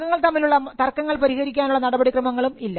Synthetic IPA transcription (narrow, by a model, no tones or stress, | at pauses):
ɐŋːɐɭt̪ɐmːiluɭːɐt̪ɐrkːɐŋːɐɭpɐɾihɐɾikʲːaːnuɭːɐnɐɽɐbɐɽikrɐmɐŋːɐɭumilːɐ